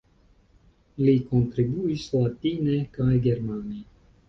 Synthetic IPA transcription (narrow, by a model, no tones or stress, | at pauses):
likont̪ɾibuislat̪inekajɡeɾmani